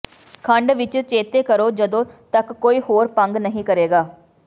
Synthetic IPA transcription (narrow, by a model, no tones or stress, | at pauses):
kʰəɳɖʋɪt͡ʃt͡ʃeːt̪eːkəɾoːd͡ʒəd̪õːt̪əkːoːiːhoːɾpə̃ŋɡnəɦĩːkəɾeːɡaː